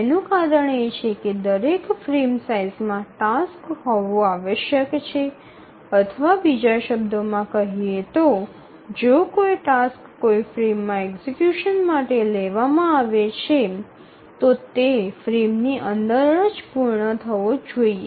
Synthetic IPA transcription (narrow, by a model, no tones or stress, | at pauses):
enũkaɾəɳet͡ʃʰeked̪əɾekfɾemsaizmãʈaskɦɔʋõaʋəʃjəkt͡ʃʰe | ət̪ʰəʋabid͡ʒaʃəb̚d̪omãkəɦiet̪o | d͡ʒokoiʈaskːoifɾemːãɛkzekjuʃənmaʈeleʋamãaʋet͡ʃʰe | t̪ot̪efɾemniʔənd̪əɾnəd͡ʒpuɾɳət̪ʰəʋod͡ʒoie